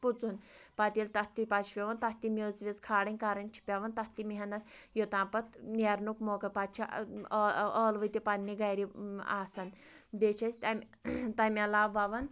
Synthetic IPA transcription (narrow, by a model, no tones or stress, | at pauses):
put͡sunpat̪ʲilt̪ɐht̪ipat͡ʃʰpʲeʋɐnt̪ɐht̪imʲəːzʋʲizkʰaːɽɐnʲkaɾɐnʲt͡ʃʰi̥pʲaʋɐnt̪ɐht̪imiɦɐnɐt̪jot̪ãːpɐt̪neɾnukmokɐt̪pat̪̚t͡ʃʰa | əːlʋət̪ipanːiɡajɾia̰ːsɐn | bet͡ʃʰɐsʲt̪amʲ | t̪ɐmʲalaːʋːaʋɐn